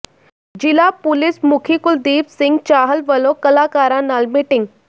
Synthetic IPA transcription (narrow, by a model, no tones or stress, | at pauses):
d͡ʑilapʊlismʊkʰikʊld̪iːpsɪŋɡt͡ʃaːɦəlʋəlokəlaːkaːɾãnalmiʈɪŋɡ